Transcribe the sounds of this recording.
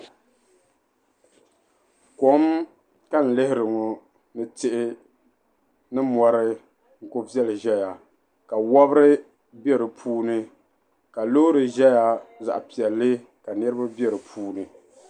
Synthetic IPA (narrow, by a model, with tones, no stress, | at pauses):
ko˨˦m | ka˦n̩˨lɪ˦hɪ˦ɾɨ˨ŋo˨ | nɨ˦tɪ˦ʔɪ˦ | nɨ˦mɔ˨ɾɨ˦ | ŋ̩˨ko˦vi˦ɛ˦lɨ˨ʒɛ˦ja˨ | ka˨wɔ˦bɨ˦ɾɨ˦ | bi˦ɛ˦ɾɨ˨pʰuː˦nɨ˦ | ka˨lo˦ɾɨ˨ʒɛ˦ja˨za̰˨ʔa˨pi˨ɛ˨lːɨ˦ | ka˨nɛ˦ɾɨ˦ba˦bɛ˦ɾɨ˨pʰuː˦nɨ˨